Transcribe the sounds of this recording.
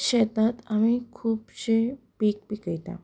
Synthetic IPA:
ɕɛt̪at̪amĩkʰuːpɕe | piːk̚pikəjt̪ã̰

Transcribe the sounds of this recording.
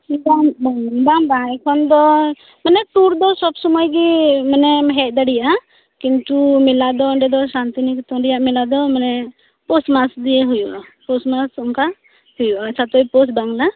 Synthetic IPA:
bambaŋbambajkʰɔnd̪ɔ | manɛt̪uɾd̪ɔsɔbsɔmajɡimanɛɦɛc̪̚d̪aɽijaa | kint̪umilad̪ɔɳɖɛd̪ɔsant̪inikt̪ɔɳɖijaʔmilad̪ɔmanɛ | pɔsmasd̪ijeɦujuʔapɔsmasɔŋka | hujuʔat͡ʃʰat̪ɔipɔsbaŋla

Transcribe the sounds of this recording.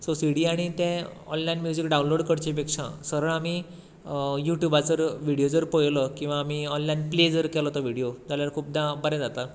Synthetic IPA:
soseɽiːaɽ̃it̪ɛ̃ɔ̰nlajnmjud͡ʑikɖaunloɽkəɽt͡ɕep̬ekʂã̰səɾəɭami | juʈjubat͡səɾʋiɽijod͡zəɾpəjləkĩw̃ʋaːmiɔnlainpled͡zəɾkɛlɔt̪əʋiɽijod͡zaljaɾkʰuːp̚d̪abəɾɛ̃d͡zat̪a

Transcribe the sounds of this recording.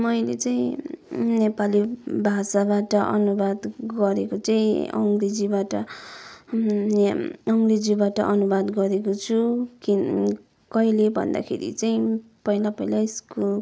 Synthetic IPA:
mʌjlet͡saĩnepalibʱasabaʈʌʔʌ̰nubad̪ɡʌɾekot͡saĩʌ̰ŋɡred͡zibaʈʌ | ʌŋɡred͡zibaʈʌ̰ʔʌnubad̪ɡʌɾekot͡sʰuki | kʌjlebʱʌ̰nd̪a̰kʰḛɾḭt͡saĩ | pʌilapʌilaiskul

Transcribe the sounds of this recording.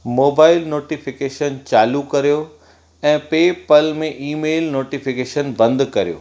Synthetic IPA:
moːbaːɪlnoːʈifɪkeːʃənt͡ɕaːlukɐɾijo | ɛ̃ːpeːpəlmẽʔiːmeːlnoːʈifɪkeːʃənbɐ̃nd̪kɐɾijo̰ː

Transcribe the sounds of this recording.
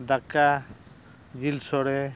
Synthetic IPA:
d̪aka | d͡ʒilsɔɽɛ

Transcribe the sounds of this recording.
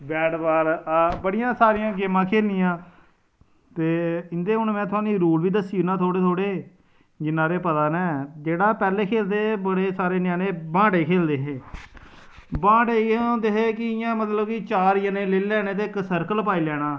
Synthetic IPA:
bɛːɽbaːɾabəɽɪjãːsaːɾɪjãːɡɪːmãːkʰeːlnijãː | t̪eːɪnd̪eːɦʊnmɛ̃ːt̪ʰʊãːniːɾuːlʋiːd̪əsiːnãːt̪ʰoːɽeːt̪ʰoːɽeː | d͡ʒɪnãːɾeːpət̪aːnɛ̃ːd͡ʒeːɽaːpɛːleːkʰeːld̪eːbəɽeːsaːɾeːnjãːneːbãːɖeːkʰeːld̪eːɦeː | bãːɖeːkːd̪eːɦeːkɪɪjãːmət̪ləbkɪt͡ʃaːɾɪjəneːleːlɛːnẽːt̪̬eːksəɾkəlp̬aːiːlɛːɽ̃ãː

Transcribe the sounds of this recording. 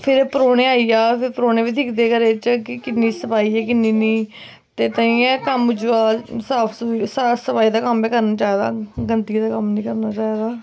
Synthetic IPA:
pʰɪɾpəɾoːnẽːaːiːaːpʰɪɾpɾoːnẽːʋiːt̪ʰɪːkd̪eːkəɾeːt͡ʃkɪkɪnːiːsəpaːiːɛːkɪnːiːnĩː | t̪eːt̪ãĩːɛːkəmd͡ʒuaːsaːpʰsusasəpaːiːd̪aːkəmbiːkəɾnaːt͡ʃaːeːd̪a̰ːɡənt̪iːd̪aːkəmnĩːkəɾnaːt͡ʃaːeːd̪aː

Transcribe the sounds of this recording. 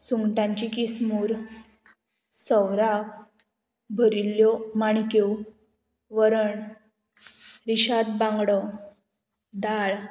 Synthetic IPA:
suŋɡʈãɲt͡ɕikismuɾ | səʋɾak | bʱəɾilːjɔmaɳko | ʋəɾəɳ | ɾiɕad̪bãŋɡɽə | d̪aɭ

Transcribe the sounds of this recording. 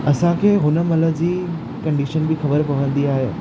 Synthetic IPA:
ɐsãkʰeːɦʊnə̆mɐləd͡ʑiː | kɐ̃ɳɖiʃənbɪxɐbəɾpɐʋə̃nd̪iaːɦe

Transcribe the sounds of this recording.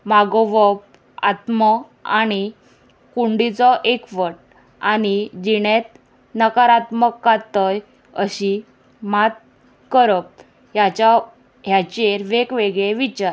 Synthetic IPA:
maɡɔʋəp̚ | a̰t̪mə | añi | kuɳɖit͡sɔʔekʋəʈ̚ | anid͡ʑiɽet̪̚ | nəkaɾat̪məkːat̪ːəj | ə̰ɕi | mat̪̚ | kəɾəp̚ | ɦjat͡ɕa | ɦjat͡ɕeɾʋekʋeɡɭeʋit͡ɕaɾ

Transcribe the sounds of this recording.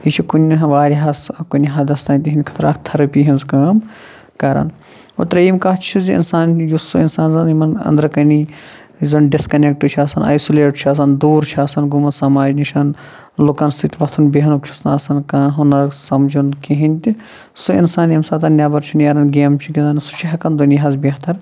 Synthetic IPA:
it͡ʃʰikunʲɦʋaːɾʲɦɐskunʲɦaːd̪ɐst̪aːnʲt̪iɦinʲd̪ʲkʰɐ̥t̪ʰɾa̰ːkt̪ʰɐɾɐpiːɦinzkɐɐm | kɐɾɐ̰n | ot̪ɾɐjimkɐɦt͡ʃʰiziḭnsaːnjusuinsaːnzɐnimɐnɐ̰nd̪ɾɐkɐni | zɐnɖiskɐnek̚ʈut͡ʃʰaːsɐnɐ̰jsuleːʈt͡ʃʰaːs̬ɐnd̪uːɾt͡ʃʰaːsɐnɡumɐnsaːmaːd͡ʒniʃɐn | lukɐnsit̪ʲʋɐt̪ʰunbeɦɐnukt͡ʃʰu̥snaːsɐnkaːɦɐnɐɾsɐmd͡ʒunkiɦinʲt̪ʲi | suḭnsaːnjɐmsɐt̪̬ɐnnʲːjaːbɐɾt͡ʃʰinjaɾɐnɡeːmt͡ʃʰikʲinansu̥t͡ʃʰiɦɐkɐnd̪uniɦazbʲeɦt̪ɐɾ

